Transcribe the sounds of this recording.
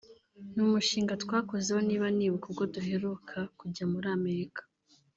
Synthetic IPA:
numuʃiːŋɡatwaːko̞zehoniːβaniːβukubɡo̞duɦe̞ɾukʰakuɟamuɾaːme̞ɾikḁ

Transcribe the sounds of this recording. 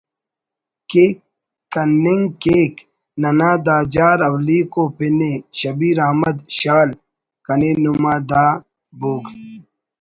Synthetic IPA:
keːkː | ɐnːeŋɡkeːk | nɐnaːd̪aːd͡ʑaːɾɐwliːkoːpineɕɐbiːɾaːmɐd̪ɕaːl | kɐnenumaːd̪aː | buːɡ

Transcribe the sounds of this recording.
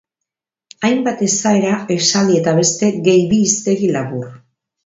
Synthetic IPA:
ajmbat̪e̞sae̞ɾaesalie̞t̪aβ̞e̞st̪e̞ɣe̞jβiːst̪e̞ɣilaβur

